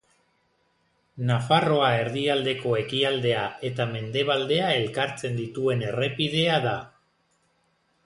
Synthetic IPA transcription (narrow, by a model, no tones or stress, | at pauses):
nafaro̞ae̞ɾðiald̪e̞ko̞e̞kiald̪e̞ae̞t̪ame̞nd̪e̞β̞ald̪e̞ae̞lkaɾt͡se̞nd̪it̪ue̞ne̞re̞pið̞e̞aða